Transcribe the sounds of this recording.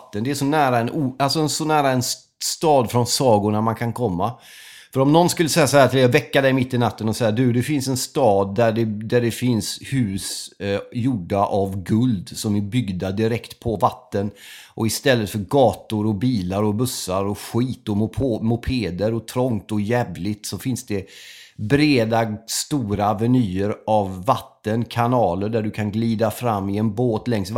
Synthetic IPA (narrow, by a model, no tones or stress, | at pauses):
t̪ːənd̪ɛæʂɔnæːɾaɛnualsɔɛnsɔnæːɾaɛn | st̪ɑːd̪fɾɔnsɑːɡʊɳamankʰankʰɔmːa | fœɾɔmnɔnskɵlːəsɛjːasahæːat̪ʰɪlevɛkːad̪ɛjmɪt̪ːɪnat̪ːənɔsɛjːad̪ʉd̪ɛfɪnsɛnst̪ɑːd̪̚ːæɖɛd̪æɖɛfɪnshʉ̟ːs | juːɖaʔavɡɵld̪sɔmɪbʏɡd̪ad̪ɪɾɛkt̪pʰɔvat̪ːənʔɔɪst̪ɛlːət̪fœɾɡɑːt̪ʊɾɔbiːlaɾɔbɵsːaɾɔɧiːt̪ɔmʰmʊpʰeːd̪əɾɔt̪ʰɾɔŋt̪ɔjɛːvlɪt̪sɔfɪnsd̪ɛbɾeːd̪ast̪uːɾavɛnyːəɾavːat̪ːənkʰanɑːləɖæɖɵkʰanɡliːd̪afɾamːɪɛnboːt̪lɛŋs